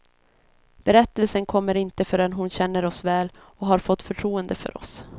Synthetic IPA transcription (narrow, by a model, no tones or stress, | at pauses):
b̥ɛɾɛt̪ːəlsənkʰɔmːəɾɪnt̪əfœɖɛnɦʊnɕɛnːəɾɔsvɛːl | ɔɦaɾfɔt̪ːfœʈʰɾuːənd̪əfœ̰ɾɔ̰s